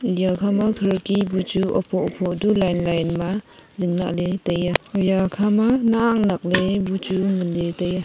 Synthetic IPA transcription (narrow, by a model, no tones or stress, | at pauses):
jakʰamakʰɯɾkibut͡ʃuɔpʰɔɔpʰɔdulajnlajnma | zɯŋna̰k̚letajajakʰamanaːŋnak̚lebut͡ʃumɯndetaja